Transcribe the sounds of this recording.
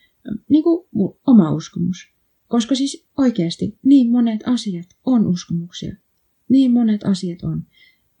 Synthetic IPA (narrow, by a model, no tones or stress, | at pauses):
niːŋkuomɑuskomus | koskɑsis | oikeɑst̪ḭniːmmonet̪ʰɑsiɑt̪onuskomuksḭɑ̰ | niːmmonet̪ɑ̰siɑt̪on